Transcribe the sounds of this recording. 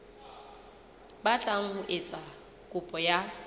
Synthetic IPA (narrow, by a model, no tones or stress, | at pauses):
bat͡ɬʼaŋ̩ʊʔet͡sʼa | kʼʊpʼɔja